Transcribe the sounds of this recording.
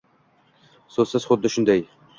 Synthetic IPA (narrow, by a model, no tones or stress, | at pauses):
sozsɪz̥χʊd̪ːɪʃʊnd̪aj